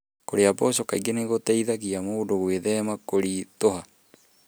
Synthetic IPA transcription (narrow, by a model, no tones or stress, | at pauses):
koɾeabosokaiɡeneɣotaiðaɣiamoːdoɣweðɛmakoɾit̪oɦa